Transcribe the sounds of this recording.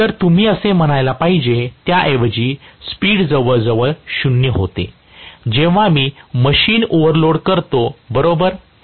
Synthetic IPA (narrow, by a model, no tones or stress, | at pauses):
t̪əɾt̪um̤iːəsem̤əɽ̃ajlapaɦid͡ʑet̪jaʔeʋəd͡ʑiːspiːɽd͡zəʋəɭd͡zəʋəɭɕunjəɦot̪ḛ | d͡ʑẽʋ̤amiːməɕiːnoʋəɾloɽkəɾt̪obəɾobəɾ